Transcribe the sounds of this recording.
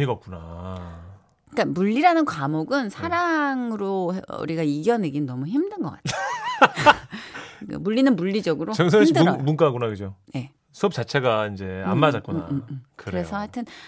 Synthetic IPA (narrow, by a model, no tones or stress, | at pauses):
heɡʌp̚k͈una | ik͈amuʎːiɾanɯnkwamoɡɯnsʰaɾaŋɯɾoṵɾiɡaiɡjʌne̞ɡinnʌmuçimdɯnɡʌk͈atʰ | ka̰muʎːinɯnmuɭːid͡ʑʌɡɯɾoʌŋs̬ʰʌidɯɾmunk͈aɦaɡunakɯd͡ʑoje̞ | sʰuʌp̚t͡ɕ͈at͡ɕʰeɡaind͡ʑe̞a̰mmːad͡ʑat̚k͈umkɯɯɾe̞sʰʌhatʰɯn